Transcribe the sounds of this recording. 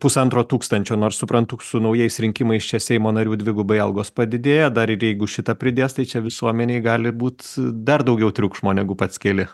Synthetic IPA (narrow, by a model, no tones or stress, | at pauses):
pʊsɐnt̪ɾoːt̪uːkst̪ɐnʲt͡ʃʲoːnoːrssʊpɾɐnt̪ʊsʊnɐʊjɛɪsɾʲɪŋʲkʲɪmɐɪst͡ʃʲɛsʲɛɪmoːnɐɾʲuːd̪ʲʋʲɪɡʊbɐɪɐlˠɡoːspɐd̪ʲɪd̪ʲeːjɛd̪ɐɾɪɾjɛɪɡʊʃʲɪt̪ɐpʲɾʲɪd̪ʲeːst̪ɐɪt͡ʃʲɛʋʲɪsuɔmʲɛnʲeɪɡɑːlʲɪbuːt̪d̪ɐrd̪ɒʊɡʲɛʊt̪ʲɾʲʊkʒmoːnʲɛɡʊpɐt̪sʲkʲeːlʲɪ